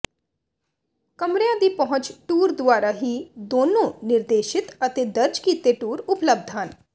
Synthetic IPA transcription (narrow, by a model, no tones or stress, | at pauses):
kəmɾejãːd̪iːpəɦʊ̃t͡ʃʈuːɾd̪ʊaːɾaːɦiːd̪oːnõːnɪɾd̪eːʃɪt̪ət̪eːd̪əɾd͡ʒkiːt̪eʈuːɾʊpləb̚d̪ʱɦən